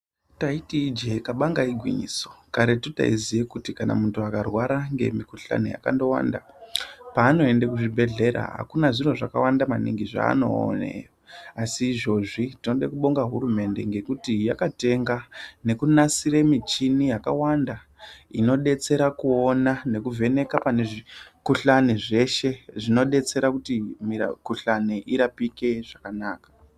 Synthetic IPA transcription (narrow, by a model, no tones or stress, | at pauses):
taitiːd͡ʒekaɓaŋɡaiɡʱwḭɲiso̥kaɾetuta̰izijekutikana̰muntuakarwaɾaŋɡe̞̰mikuɬa̰nuja̰ka̰ndo̞wa̰nda̰ | paːno̞e̞ndekuʐibʱe̞ɮe̞ɾa̰ɦa̰kunaʐino̞ʐaka̰wandamaniŋɡiʐa̰ːno̞̰ːnḛjoasiːʐo̞ʐitino̞ɗekuɓo̞ŋɡaɦuɾume̞nde̞ŋɡe̞kutijakate̞ŋɡane̞kunasiɾemit͡ʃinijakawanda | ino̞ɗe̞t͡se̞ɾakuo̞nane̞kuvʱe̞ne̞kapane̞ʐikuɬaneʐe̞ʃe̞ʐino̞ɗe̞t͡se̞ɾakutimḭkuɬaneʔiɾapike̞ʐ̥akanaːkḁ